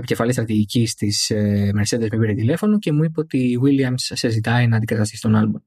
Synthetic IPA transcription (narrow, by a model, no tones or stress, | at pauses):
epice̞fɐlist̪ɾɐt̪iʝicist̪ismeɾse̞ðe̞zmipiɾet̪ile̞fo̞noce̞muipeo̞t̪iwiliɐmsːezit̪ɐinɐːnd̪iɡɐt̪ɐst̪isi̥t̪o̞nɐlbum